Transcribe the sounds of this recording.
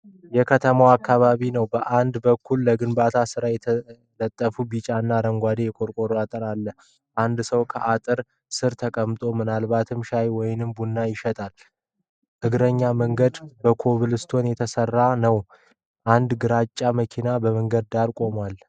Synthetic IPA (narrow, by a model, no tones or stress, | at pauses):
jɛkʰət̪ʰəmawakːaβaβinəwbəʔand̪bəkʰːulːəɡɨnbat̪ʰasɨɾajɛ | lət̪ʼːəfubit͡ʃʼanːaɾəŋɡʷad̪ejɛkʼo̞ɾkʼo̞ɾoat̪ʼɨɾalːə | ʔand̪səwkʰəʔat̪ʼɨɾ | sɨɾt̪ʰəkʼəmt̪ʼo̞mɨnalbat̪ʰɨmʃajwɔjɪnɨmbunːajɪʃɛt̪ʼal | ʔɨɡɾəɲːaməŋɡəd̪bəkʰo̞βɨlɨst̪ʰo̞njɛt̪ʰəsərːanəw | ʔand̪ɡɨɾat͡ʃʼːaməkʰinabəməŋɡəd̪̚d̪aɾkʼo̞mal